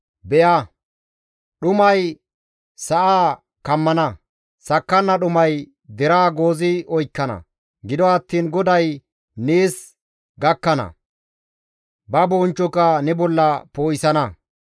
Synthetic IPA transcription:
bɛja | ɗʊmɐj | sɐʔaː | kɐmːɐnɐ | sɐkːɐnːɐɗʊmɐj | d̪ɛɾaːɡo̞ːzɪɔjkːɐnɐ̰ | ɡɪd̪ɔɐt̪ːiːnɡɔd̪ɐj | niːs | ɡɐkːɐnɐ̰ | bɐboːnt͡ʃːɔkɐnɛbɔlːɐpoːjɪsɐnɐ

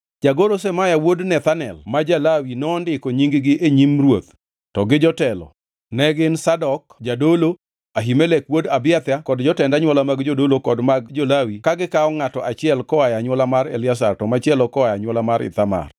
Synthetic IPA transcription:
d͡ʒaɡoɾosɛmajawodnɛt̪anɛ̰lmad͡ʒalawinɔːndɪkoɲiŋɡɡɪʔeɲimrwot̪ | tɔɡɪd͡ʒɔtɛlɔ̰ | nɛɡɪnsadɔkd͡ʒadolo | aɦimelɛkwodabɪat̪jakɔdd͡ʒɔtɛndaɲwɔlamaɡd͡ʒodolokɔdmaɡ̚d͡ʒolawikaɡɪkaɔŋatɔʔat͡ʃɪɛlkɔajaɲwɔlamaɾelɪas̬artɔmat͡ʃɪɛlɔkɔajaɲwɔlamaɾɪ̰t̪ama̰r

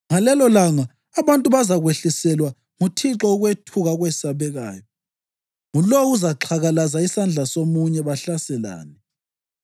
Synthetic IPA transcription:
ŋalɛlɔlaŋaː | βantʼuβazaɣweɬisɛlwa | ŋutʰiǁɔuɣwetʰuɣaɣwɛsaβɛɣa̰ːjɔ | ŋulouzaǁʰaɣalazaisand͡ɮʱasomuɲɛβaɬasɛla̰ːnɛ

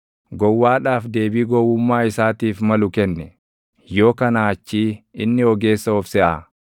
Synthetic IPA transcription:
ɡɔwːaːᶑaːfd̪e̞ːbiːɡɔwʊmːaːɪsaːt̪iːfmɐlʊkɛnːɛ | jo̞ːkɐnɐhɐt͡ʃːiːɪnːɪɔɡe̞ːsːɐɔfsɛʔaː

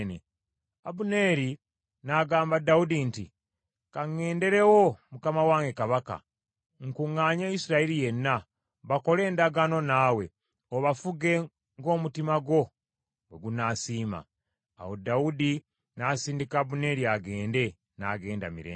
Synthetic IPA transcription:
ne | abune̞ːɾi | naɡaːmbadaudinti | kaŋːe̞ːnde̞ɾe̞wo̞mukamawaːŋɡe̞kaβaka̰ | ŋkuŋːaːɲaisiɾaiɾije̞nːa | βako̞le̞ːndaɡano̞nawe̞ | oβafuɡe̞ | ŋɡo̞ːmutimaɡo̞ | weɡunaːsiːma̰ː | wo̞daudi | nasiːndikaːβune̞ɾiaɡe̞ːnde̞ | na̰ɡe̞ːnda̰mḭɾḛː

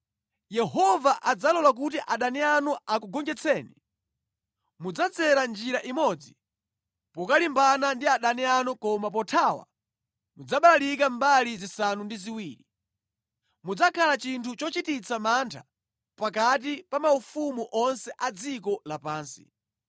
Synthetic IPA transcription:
jɛɦɔvaʔad͡zalɔlak̬ut̬iʔaɗanianuak̬uɡɔŋɡɛt͡sʰɛːni | mud͡zat͡sɛɾand͡ʒiɾaʔimɔd͡zi | pɔkalimbanandiaɗanianukɔmapɔtʰawa̰ | mud͡zaɓalalik̬ambalizisanundiziwiːɾi | mud͡zakʰalat͡ʃintʰut͡ʃɔt͡ʃitit͡sʰamantʰa | pak̬at̬ipamaufumuʔɔnsɛʔad͡zik̬ɔlapaːnsi̥̰

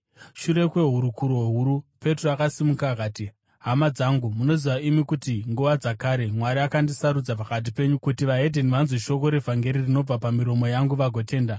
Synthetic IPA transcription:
ʃuɾe̞kwe̞ɦuɾukuɾo̞ɦuɾupe̞troakasimukaːkaːti | ɦamad͡zaŋɡumuno̞ziʋaimikutiŋɡuʋad͡zakaɾe̞mwaɾiakandisaɾud͡zapakat̬ipe̞ɲukutiʋaɦe̞dʱe̞niʋanziʃo̞ko̞ɾe̞vʱaŋɡe̞ɾirino̞b͡vapamiɾo̞mo̞jaŋɡuʋaɡʱo̞te̞ːnda

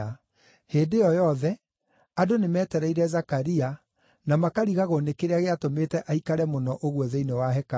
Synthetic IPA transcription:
heːdejɔjɔðɛ | adonemɛːtɛɾɛiɾɛzakaɾia | namakaɾiɣaɣonekeɾeaɣeatometɛʔaikaɾɛmonɔʔoɣwɔðeinewaɦɛka

